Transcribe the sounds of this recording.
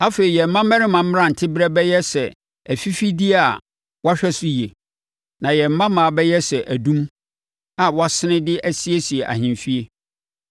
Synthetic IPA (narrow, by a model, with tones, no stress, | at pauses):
a˦fe˨ɾi˨jɛ˨m̩˨˦mã˦mɛ̃˦ɾɪ˦mã˨m̩˦m˦ɾã˦˨n̩˨tʰɪ˦bɾɛ˦bɛ˦jɛ˦sɛ˨ | æ˨fi˦fi˦dɪ˦a˨ | wa˦ɕᶣɛ˦sʊ˦je˨ | nã˨jɛ˨m̩˨mːã˦mã˨bɛ˦jɛ˦sɛ˨ʔæ˨dũ˦m | a˨wɔ˦a˦sɪ˦nɪ̃˦dɪ˦ʔæ˦si˦e˦si˨e˨ʔa̰˨ɦɪ̃˨mfi˦e˦